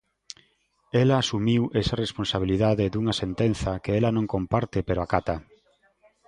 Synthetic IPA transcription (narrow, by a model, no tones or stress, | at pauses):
elaːsumiwʔesaresponsaβiliðaðɪd̪uŋɐsent̪en̟θɐkeelanõŋkompaɾt̪ɪpeɾoakat̪a